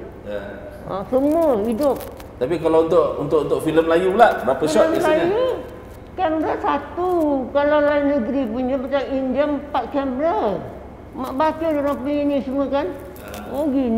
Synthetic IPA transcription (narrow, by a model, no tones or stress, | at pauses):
ə̰səmuəidʊp̚ | t̪apikalaunt̪ʊʔunt̪ʊʔunt̪ʊʔfiləmlajulahbɾapəfisɔəkalaaju | kɛmbɾəsat̪ukalawlaɪnəɡɾipunɲəpat͡ʃamindiəmpat̪̚kɛmbɾəl | maʔbat͡ʃadolaŋpəɲinisiməkan | moɡin